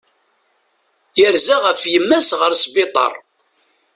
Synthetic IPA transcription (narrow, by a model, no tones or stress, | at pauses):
jəɾzaʁəfjəmːæsʁəɾsbɪt̪ˤɑ̰ɾˤ